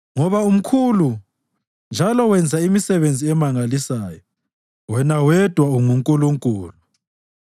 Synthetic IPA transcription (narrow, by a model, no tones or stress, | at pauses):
ŋɔβaum̩kʰulu | nd͡ʒʱalɔwɛnd͡zʱaimisɛβend͡zʱiɛmaŋalisaːjɔ | wɛnawɛd̥ʱwauŋuŋkʼuluŋkʼuːlu